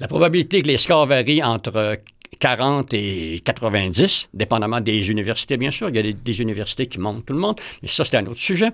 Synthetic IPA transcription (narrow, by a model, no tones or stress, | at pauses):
lapʁɔbabilit̪ekəleskɑːʁvaʁiɑ̃ːt̪ʁə | kaʁɑ̃ːt̪ekat̪ʁəvɛ̃d͡z̪isd̪epɑ̃d̪amɑ̃d̪ezynivɛʁsi̥t̪ebjɛ̃syːʁiljad̪ed̪ezynivɛʁsi̥t̪ekʲimɔ̃t̪t̪ːuləmɔ̃d̪mɛsɔse̥t̪ɛɛ̃ːnoːt̪ʁə̥syʒɛ